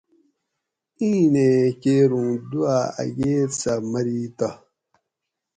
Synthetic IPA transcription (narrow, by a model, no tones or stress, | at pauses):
ĩnekeɾũŋduaa̰jet͡samaɾita